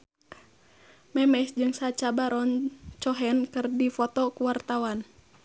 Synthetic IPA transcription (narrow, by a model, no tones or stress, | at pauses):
mɛmɛsd͡ʒɨŋsat͡ʃabaɾɔnt͡ʃɔɦɛnkɨrdifɔt̪ɔkuwart̪awan